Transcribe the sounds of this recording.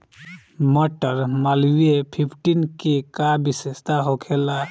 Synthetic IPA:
mɔʈəɾmaliepʰipʰʈinkikabisest̪aɦokʰela

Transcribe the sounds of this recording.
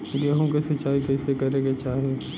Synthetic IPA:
leɦõkesɐt͡ʃaːikɛːsekɐɾekɡet͡ʃaːɦe

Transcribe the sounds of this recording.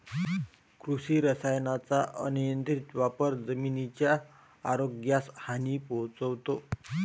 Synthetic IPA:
kɾusiːɾəsajnat͡saʔənujənt̪ɾit̪ʋapəɾd͡zəminit͡ɕjaː | ɾoɡjashaniːpɔɦt͡səʋt̪o

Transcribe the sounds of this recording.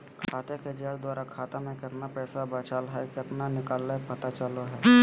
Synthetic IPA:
kʰaːt̪eked͡ʒaːɾd̪waːɾakʰaːt̪emẽkɪt̪napɛːsabət͡ʃaːlɦɛkɪt̪nanɪkaːlːepɐt̪at͡ʃəloɦɛː

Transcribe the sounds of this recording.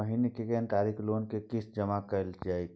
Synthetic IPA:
əɦinekekenʈ̪aːɾikʰloːnkekɪsd͡ʒəmakəld͡ʒaːe

